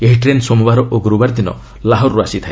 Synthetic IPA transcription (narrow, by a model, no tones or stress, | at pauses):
eɦiʈɾensomubaɾɔʔoɡuɾubaɾd̪inɔ̰ | laɦɔɾːuasit̪ʰae